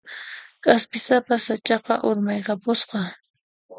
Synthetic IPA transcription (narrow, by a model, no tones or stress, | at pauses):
kʼaspɪsapasat͡ʃɑqɑ̰ʔʊɾmɑjqɑpʊsqɑ